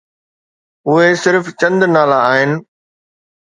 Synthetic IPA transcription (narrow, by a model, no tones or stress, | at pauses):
ʊɦesɪɾft͡ɕɐ̃nd̪naːlaaːɦɪnɪ̆